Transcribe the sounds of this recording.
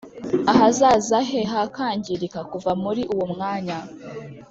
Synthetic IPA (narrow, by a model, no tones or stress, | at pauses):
aɦazaːzaɦeɦakaːɲɟiɾikakuvamuɾiʔuwomŋaːɲa